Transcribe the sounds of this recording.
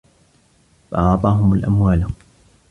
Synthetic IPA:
fɑ̰ʔɑʕt̪ˤɑːɦʊmalʔa̰mwaːl

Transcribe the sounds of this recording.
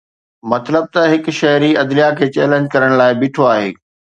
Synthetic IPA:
mɐt̪ləb̚t̪ɐɦɪk̆ʃɐɦɾiɐd̪lijakʰeːt͡ɕɛːlẽːɲd͡ʑkɐɾəɽ̃laːɪbɪʈʰoaːɦḛː

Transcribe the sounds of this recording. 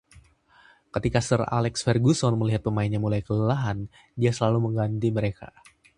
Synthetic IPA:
kət̪ikasəra̰lɛksfɛrɡusɔnməliɦat̪̚pəmainɲamulajkələlaɦan | diasəlaluməŋɡant̪iməɾeka̰

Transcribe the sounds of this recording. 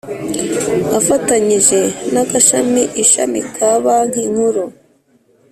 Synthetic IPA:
afataɲiʒe̞naɡaʃamiʔiʃa̰mikʰaβaŋ̥hiŋ̥huɾu

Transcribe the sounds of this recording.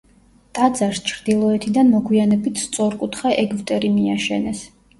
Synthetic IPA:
t̪ʼad̪zaɾst͡ʃʰɾd̪ilˠɔɛt̪ʰid̪anmɔɡwianɛbit̪ʰst̪sʼɔɾkʼut̪ʰχaʔɛɡvt̪ʼɛɾimiaʃɛnɛs

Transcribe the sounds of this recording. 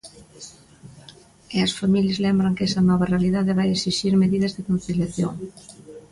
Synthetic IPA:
eɐsfamiljezlembɾaŋkɛsɐnɔβ̞arealiðaðeβajesiʃiɾmeðið̞ɐzðekon̟θiljaθjo̰ŋ

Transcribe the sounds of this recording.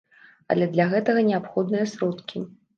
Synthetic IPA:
ɐ̰lʲɛd̪lʲaɣɛt̪ɐɣɐnʲɛapxɔd̪nɨjɐsɾɔt̪kʲʰi

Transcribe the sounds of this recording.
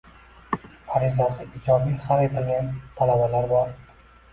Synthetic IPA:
aɾizasɪʔɪd͡ʒɒbiχaɾet̪ʰɪlɡʲant̪ʰalabalaɾbɒɾ

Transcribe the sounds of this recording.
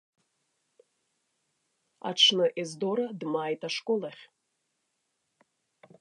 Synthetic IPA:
a̰ʈ͡ʂʰnɨʔezdoɾadmaːjtʰʼaʂkʼolaχʲ

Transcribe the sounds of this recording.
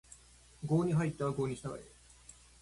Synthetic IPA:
ɡoːɲʲiɦait̪ːeβaɡoːɲʲiɕit̪aɡa̰ḭ

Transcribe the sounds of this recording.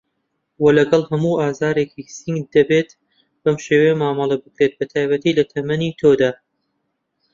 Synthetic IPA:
wɐlɐɡɐlˠhɐmuːʔaːzaːɾeːkʰisiŋɡd̪ɐbeːt̪ | b̥ɐmʃeːwejmaːmɐlˠɐbɨkɾet̪̚bɐt̪ʰaːjbɐt̪iːlɐt̪ʰɐmɐnit̪ʰoːd̪aː

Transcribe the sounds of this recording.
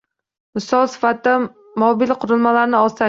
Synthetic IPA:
mɪsɒlˠsɪ̥fat̪̚d̪a | mɒbɪlqʰʊɾɪlˠmalaɾnɪɒt̪a

